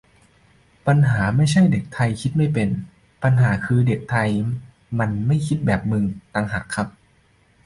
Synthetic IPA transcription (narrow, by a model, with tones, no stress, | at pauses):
pa˧nɦaː˩˦ma˥˩jt͡ɕʰa˥˩jde˨˩k̚t̪ʰa˧jkʰi˦˥t̪̚ma˥˩jpe˧n | pa˧nɦaː˩˦kʰɯː˧de˨˩k̚t̪ʰa˧j | ma˧nma˥˩jkʰi˦˥t̪̚bɛː˨˩p̚mɯː˧ŋt̪aː˧ŋɦa˨˩kʰːa˦˥p̚